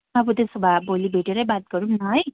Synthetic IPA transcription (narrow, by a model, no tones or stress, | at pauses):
abut̪esubʱabolibʱeʈeɾʌjbat̪̚ɡʌɾumnaɦʌj